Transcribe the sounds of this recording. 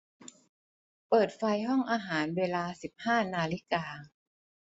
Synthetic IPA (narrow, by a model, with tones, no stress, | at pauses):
pɤː˨˩t̪̚fa˧jɦɔ˥˩ŋʔaː˧ɦaː˩˦nweː˧laː˧si˨˩p̚haː˥˩naː˧li˦˥kaː˧